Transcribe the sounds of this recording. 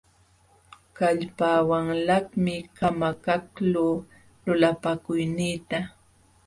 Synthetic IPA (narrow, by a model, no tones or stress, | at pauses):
kaʎpaːwaŋlahmɪkamakakluː | lʊlapakʊjniːt̪a